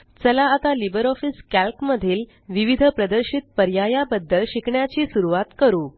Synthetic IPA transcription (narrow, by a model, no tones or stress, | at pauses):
t͡səlaːt̪alibəɾɔfiskælkməd̪ʱiːl | ʋiʋid̪ʱəpɾəd̪əɾɕit̪̚pəɾjajabəd̪ːəlɕikɳjat͡ɕiːsuɾuʋat̪kəɾuː